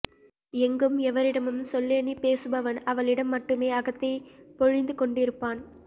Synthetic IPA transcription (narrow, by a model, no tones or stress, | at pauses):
ɛŋɡɯmɛʋɐɾɪɽɐmɯmsɔlːeːnipeːsɯbɐʋɐnɐʋɐɭɪɽɐmːɐʈːɯmeːɐɣɐt̪ːɐɪpɔɻɪnd̪ɯkɔɳɖɪɾɯpːaːn